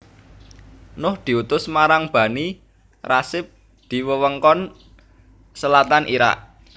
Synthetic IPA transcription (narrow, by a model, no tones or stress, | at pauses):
nʊhd̪̥i̤ut̪ʊsmaɾaŋb̥a̤ni | rasɪp̚ | d̪̥i̤wəwəŋkɔn | səlat̪anʔḭɾa̰ʔ